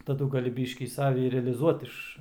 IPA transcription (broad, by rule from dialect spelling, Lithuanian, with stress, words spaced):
tɐˈdʊ ɡɐˈlʲɪ ˈbʲiːʃʲkʲiː ˈsɑːʋʲɪ ɪr rʲɛɐlʲɪˈzuɔt ˈɪʃ